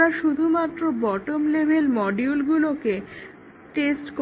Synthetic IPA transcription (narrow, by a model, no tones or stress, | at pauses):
aʃud̪ʱumat̪ːɾobɔʈomlebʱelmɔɖiulɡuloke | ʈesʈk